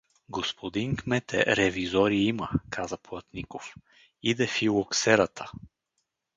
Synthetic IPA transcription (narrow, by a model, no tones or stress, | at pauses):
ɡospʰod̪iŋkmɛt̪ɛ̰ɾɛvizɔɾiiməkʰazəplˠɐt̪nikof | id̪ɛfilˠoksɛɾət̪ʰə̥